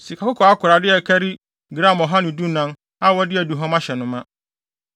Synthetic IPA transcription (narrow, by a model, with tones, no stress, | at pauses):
si˨kʰa˨kʊ˦kʰɔ˨a˦kʰʊ˨ɾa˨dɪ˦ɛ˨kʰæ˦ɾi˦ | ɡɾã˦˨mɔ˨ɦã˦nɪ̃˨du˦nã˦n | a˦wɔ˦dɪ˦æ˨du˨ɦɔ̃˦mã˦ɕɛ˨nʊ̃˨mã˦